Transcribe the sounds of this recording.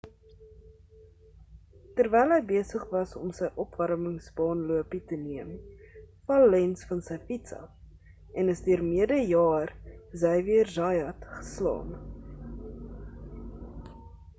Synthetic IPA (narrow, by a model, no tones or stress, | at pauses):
tərvɛjlˠɦəjbiəsəχvɐsɔ̰msəjʔɔpvɐɾəməŋsbɑːnluəpitəniəmfɐlːɛnsfɐnsəjfitsɐ̰f | ɛnəsdyərmiədəjɑːrzɛjviərzɑjɐtχə̥slɑ̰ːn